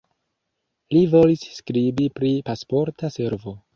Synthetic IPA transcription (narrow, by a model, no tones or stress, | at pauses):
livo̞lisːkɾibipɾipaspo̞ɾtase̞ɾvo̞